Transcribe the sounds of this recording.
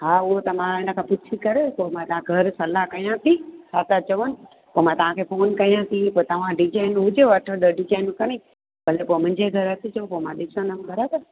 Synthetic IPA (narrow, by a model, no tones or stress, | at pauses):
ɦaːʊɦot̪ɐmãɦɪnə̆kʰãːpʊt͡ʃʰikɐɾepoːmãt̪ɐʋãɡʱɐɾsɐlakɐijãt̪ʰisaːt̪at͡ɕɐʋənɪ̆ | poːmãt̪ɐʋ̤ãkʰefoːnkɐijãt̪ʰipoːet̪ɐʋ̤ãɖɪd͡ʒaːɪnɦʊd͡ʑeʋɐʈʰəɗəɖɪd͡ʒaːɪnkɐɽ̃i | bʱɐlepoːmʊ̃ɲd͡ʑeɡʱɐɾɐt̪ʰit͡ɕɐõpoːmãɗɪsə̃nəmbɐɾaːbəɾ